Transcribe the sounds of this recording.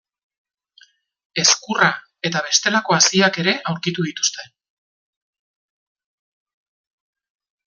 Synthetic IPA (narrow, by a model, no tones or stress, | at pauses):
e̞skura | e̞t̪aβ̞e̞st̪e̞lako̞asiake̞ɾe̞ʔawɾkit̪uðit̪u̥st̪e̞n